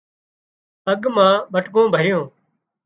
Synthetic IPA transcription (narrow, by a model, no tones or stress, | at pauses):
əɡmãːɓəʈɠõːbʱəɾɪjõː